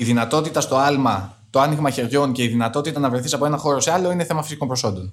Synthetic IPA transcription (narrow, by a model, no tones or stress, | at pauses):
iðinɐt̪o̞t̪it̪ɐst̪o̞ɐlmɐ | t̪oɐniɣmɐçe̞ɾʝo̞nce̞iðinɐt̪o̞t̪it̪ɐnɐvɾeθisɐpo̞e̞nɐxo̞ɾo̞se̞ɐlo̞ine̞θe̞mɐfi̥siko̞mbɾo̞so̞nd̪o̞n